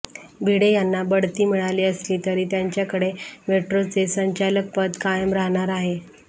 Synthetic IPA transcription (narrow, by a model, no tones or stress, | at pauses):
bʱiɽejanːabəɽt̪iːmiɭaliːəsliːt̪əɾiːt̪jaɲt͡ɕjakəɽemeʈɾot͡sesəɲt͡ɕalək̚pəd̪kajəmɾaɦɳ̃aɾaɦe